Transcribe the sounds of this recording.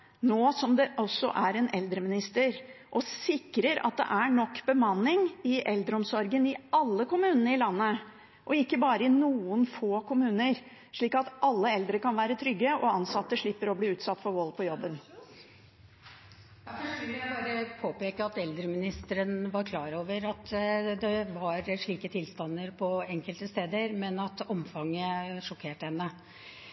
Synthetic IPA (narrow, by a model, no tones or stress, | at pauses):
noːsɔmd̪ɛʔɔsɔ̰ʔæɾɛnɛld̪ɾəmɪnɪst̪əɾʔɔsɪkɾəɾɑ̰t̪̚d̪ɛ̰ʔæɳɔkːbəmɑnːɪŋɪʔɛld̪ɾəɔmsɔɾɡənɪɑlːəkʊmʉːnənəɪlɑnːə | ʔɔɪkːəbɑːɾəɪnuːənfoːkʊmʉːnəɾ | ʂɭiːkɑt̪ʔɑlːəɛld̪ɾəkɑnʋæːɾət̪ʰɾʏɡːəɔɑnsɑt̪ːəʂɭɪpːəɾɔbliːʉːt̪sɑt̪ːfɔɾʋɔlpʰɔjɔbːən | d̪æfɔʋɪlːjæɪbɑːɾəpʰoːpeːkəɑt̪ɛld̪ɾəmɪnɪst̪əɾənʋɑɾkʰlɑːɾoːʋəɾɑt̪d̪ɛʋɑɾʂɭiːkət̪ʰɪlst̪ɑnd̪əɾpʰɔɛŋkəlt̪əst̪eːd̪əɾmɛnɑt̪ɔmfɑŋːəʂɔkʰeːʈəhɛnːə